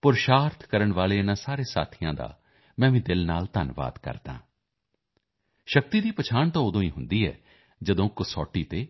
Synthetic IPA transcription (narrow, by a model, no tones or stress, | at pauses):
pʊɾʃaːɾt̪ʰkəɾəɳʋaːleːɪnãːsaːɾeːsa̰ːt̪ʰijãːd̪a̰ː | mɛ̃ːʋĩːd̪ɪlnaːlt̪ənʋa̰ːd̪kə̰ɾt̪ã̰ː | ʃək̚t̪iːd̪iːpət͡ʃʰaːɳt̪ãːod̪õːĩːɦʊnd̪iːɛ̰ː | d͡ʒəd̪õːkʊsɔːʈːiːt̪eː